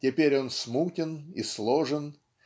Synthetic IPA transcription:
tʲɪpʲeɾʲo̞nsmutʲɪnḭslˠoʐɨn

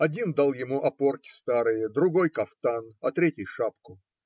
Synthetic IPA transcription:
ɐdʲind̪alˠjɪmuʔɐpo̞rkʲɪ̥st̪aɾɨjəd̪ɾʊɡojkɐft̪anɐt̪ɾʲetʲɪjʂapkʊ

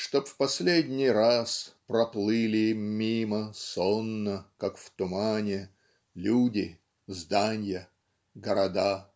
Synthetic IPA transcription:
ʂt̪opfpɐsʲlʲedʲnʲɪjraspɾɐplˠɨlʲɪmːʲiməsonːəkakft̪ʊmanʲɪ | lʲudʲɪ | zd̪anʲjə | ɡəɾɐd̪a

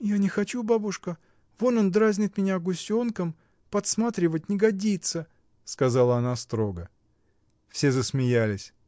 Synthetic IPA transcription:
janʲɪxɐt͡ɕubabʊʂkə | vo̞nond̪ɾazʲnʲɪt̪mʲɪnʲaɡʊsʲo̞nkəm | pɐt̪smat̪ɾʲɪvət̚ʲnʲɪɡɐdʲit̪sə | skɐzalˠəɐnast̪ɾo̞ɡə | fsʲe̞zəsmʲɪjalʲɪsʲ

